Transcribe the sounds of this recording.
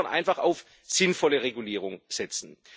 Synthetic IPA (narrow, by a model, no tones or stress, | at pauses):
anʔa̰ɪnfaχa̰ʊf | z̥ɪnfɔləʁeɡuliːʁ̞ʊŋz̥ɛt͡sn̩